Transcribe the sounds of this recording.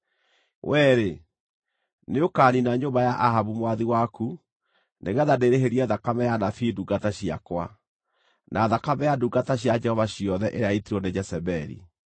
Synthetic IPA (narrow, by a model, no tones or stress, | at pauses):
wʔɛɾe | neokaninaɲoːmbajaʔaɦaβumwaðiwaku | neɣɛðadeɾeɦeɾiɛðakamɛjanafiːduɡataɕia̰kwa̰ | nʔaðakamɛjaduɡataɕ̬jad͡ʒɛhɔvaɕiɔðɛʔeɾeaitiɾɔned͡ʒɛsɛbɛɾḭ